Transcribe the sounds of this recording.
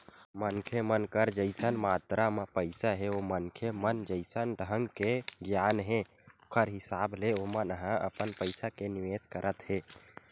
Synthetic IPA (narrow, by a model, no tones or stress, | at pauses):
mənkʰemənkəɾd͡ʒəɪsənmat̪ɾamepəɪsaɦeomənkʰjemənd͡ʒəɪsənɖʱɦəŋɡkeɡjanɦe | okʰəɾɦisableomənəɦãʔə̰pənpəɪsakeniʋeskəɾʔət̪ɦe